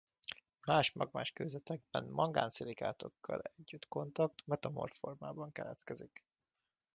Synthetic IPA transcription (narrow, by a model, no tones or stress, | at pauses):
maːʃmɒɡmaːʃkøːzɛt̪ɛɡ̚bɛnmɒɡaːnsilikaːt̪o̞kʰːɒ̰lɛɟːyt̪ko̞nt̪ɒkt̪mɛt̪ɒmo̞̰rfo̞rmaːbɒŋkɛlɛt̪kɛzik